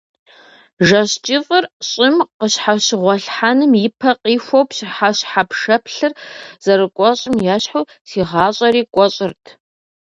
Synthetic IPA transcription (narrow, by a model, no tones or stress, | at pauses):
ʒɐɕt͡ʃʼɪfʼɨrɕʼɪmqəɕħaɕɪʁʷɔɬħanɨmjɪpʰɐqiːfʷowpɕħaɕħapʂɐpʰɬɨrz̥ɐrɨkʷʼɔɕʼɪmjaːɕħuː | siːʁɑːɕʼɐɾiːkʷʼɔɕʼɪrtʰ